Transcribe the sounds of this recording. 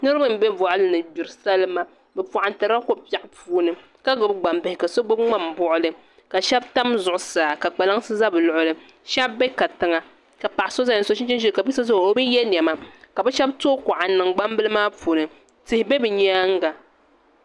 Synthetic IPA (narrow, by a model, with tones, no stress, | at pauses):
nɨ˦ɾɨ˦bɨ˦m̩˦bɛ˦vɔ˨ʔa˦lɨ˦nɨ˨bi˨ɾɨ˨sa˦lɨ˦ma˦ | bɛ˨pɔ˨ʔa˨n˨tɨ˨ɾa˦ko˦pi˦a˨ʔpuː˦nɨ˨ | ka˦ɡʊ˨bɡ͡ba˨mbɛ˨hɪ˨ka˨so˦ɡ͡bo˦bŋ͡ma˦˨m̩˨bʊ˦ʔʊ˦lɨ˦ | ka˨ʃɛ˦bta˦mzʊ˨ʔʊ˨saː˨ka˨k͡pa˨la˦ŋsɨ˦za˦bɨ˨lʊ˨ʔʊ˦lɨ˨ | ʃɛ˦bːɛ˦ka˨tɨ˨ŋa˨ | ka˨pa˨ʔɪ˨so˦za˦˨n˨so˦ʃɪ˦n˦t͡ʃɪ˦nʒɛ˦lka˨bi˦sɨ˦zʊ˦˨o˦bɨ˦jɛ˦n˨ɛ˨ma˦ka˨bɛ˦ʃɛ˦b̚toː˦kɔ˨ʔa˨nɨ˨ŋɡ͡ba˦m˦bɨ˦lɨ˦maː˦puː˨nɨ˨ | tɨ˨hɪ˨be˦bɨ˨ɲɛ˦a˦ŋ̩˦ɡa˨